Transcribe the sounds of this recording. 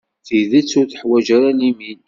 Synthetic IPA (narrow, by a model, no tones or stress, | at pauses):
θiðət͡sːʊɾθə̥ħwæʒɾanimin